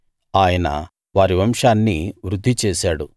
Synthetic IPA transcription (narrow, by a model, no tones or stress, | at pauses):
aːjɐnɐ̰ | ʋaːɾiʋɐmʂaːnːiʋɾud̪ʱːit͡ʃɛːsaːɽu